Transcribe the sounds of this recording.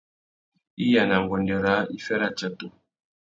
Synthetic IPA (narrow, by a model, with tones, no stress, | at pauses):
i˦ja˨na˨ŋ˨ɡɔ˨ndɛ˨ɾa˨˦i˦fɛ˦ɾa˦˨t͡ʃa˨to˨